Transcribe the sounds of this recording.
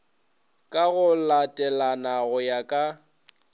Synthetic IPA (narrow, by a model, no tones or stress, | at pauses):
kʼaɣʊlatʼɛlanaɣʊjakʼa